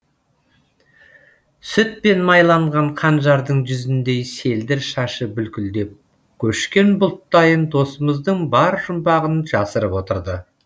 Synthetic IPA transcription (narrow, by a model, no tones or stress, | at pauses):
sʏt̪̚pe̞nmɑjlˠɑɴʁɑɴqʰɑnʒɑɾd̪əɴʒʏzɪnd̪e̞jse̞ld̪ɪɾʃɑʃəbʏlkʲɪld̪e̞p̚ | kʲʰɵʃkʲe̞nbʊlˠt̪ːɑjənd̪o̞səməzd̪əɴbɑɾʒʊmbɑʁənʒɑsəɾəpwot̪əɾd̪ə